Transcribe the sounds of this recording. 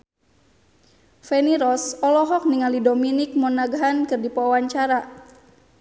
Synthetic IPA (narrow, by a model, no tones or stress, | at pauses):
fɛniɾɔsɔlɔɦɔk̚niŋalidɔminik̚mɔnaɡaɦankɨrdipɔwaɲt͡ʃaɾa